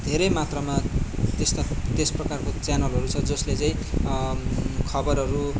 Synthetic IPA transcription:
d̪ʱeɾʌjmat̪rʌmat̪est̪at̪esprʌkarkot͡sjanʌlɦʌɾut͡sʰʌd͡zʌslet͡saĩ | kʰʌbʌɾʌɾu

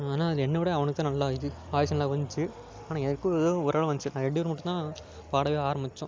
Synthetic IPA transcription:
aːnaːɐðɪlɛnːɐʋɪɽɐɐʋɐnɐkːɯt̪ãːnɐlːaːjðɯaːjɐsɐnɐlaːʋɐɲt͡ʃːɯ | aːnãːɛðɐɾkːɯðoɔɾaːɭɐ̃ʋɐɲt͡ʃɯnãːɛɳːiʋɐɾmɐʈːɯ̃t̪ːãː | paːɽɐʋeːaːɾɐmɪt͡ʃːʊ̃

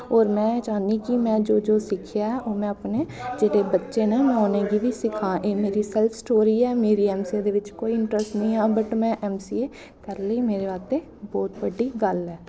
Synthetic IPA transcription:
ɔːɾmɛ̃ːt͡ʃaːniːkimɛ̃ːd͡ʒoːd͡ʒoːsɪkʰɪjaːɛːʔoːmɛ̃ːəpneːd͡ʒeːɽeːbətːʃeːnemɛ̃oːneːɡiːʋʱiːsɪkʰãːʔeːmeːɾiːsɛːlpʰsʈoːɾiːɛːmeːɾiːɛːmsieːd̪eːʋɪt͡ʃkoːiɪɳʈɾəsʈnəĩːãːbəʈmɛ̃ːʔɛːmsiːeː | kəɾləiːmeːɾeːaːt̪eː | bɔːt̪bəɖiːɡəlɛː

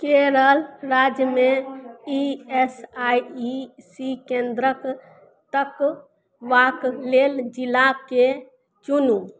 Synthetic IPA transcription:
keɾəlɾaːd͡ʒjəmẽiesaiisikẽnd̪ɾək | t̪ək | ʋakleːld͡ʒilake | t͡ʃunu

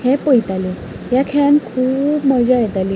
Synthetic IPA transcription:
hɛ̃pəjt̪ali | jakʰeɭãnkʰuːpməd͡ʑajɛt̪ali

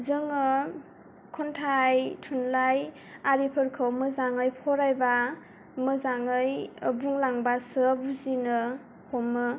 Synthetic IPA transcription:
zɯŋɯ | kʰɔntʰajtʰunlaj | aɾipʰɯɾkʰɯwmɯzaŋɯjpʰɔɾajba | mɯzaŋɯjbuŋlaŋbasɯbuzinɯ | hʰɔmɯ

